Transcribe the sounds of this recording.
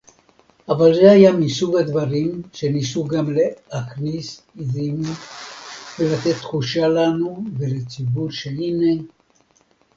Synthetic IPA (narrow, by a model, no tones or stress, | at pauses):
avalzehajamisuɡhad̪vaʁimʃe̞nisuɡamlehaχnis | izim | velat̪e̞t̪ːχuʃalanuvelet͡sibuʁʃeline